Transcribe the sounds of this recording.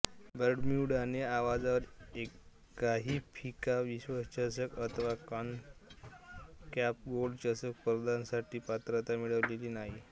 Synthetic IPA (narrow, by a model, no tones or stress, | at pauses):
bəɾɖmiwɽaneaʋad͡zaʋəɾe | kːaɦiːpʰikaʋiɕʋəst͡ɕəs̬əkət̪ʰʋakan | kæp̚ɡolɖt͡ɕəsək̚pəɾd̪ansaʈiːpat̪ɾət̪amiɭəʋleliːnaɦi